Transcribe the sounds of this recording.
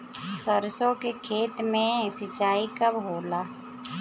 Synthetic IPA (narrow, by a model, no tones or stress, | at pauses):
səɾsõkekʰeːt̪mẽsɪt͡ʃaːikəbɦoːlaː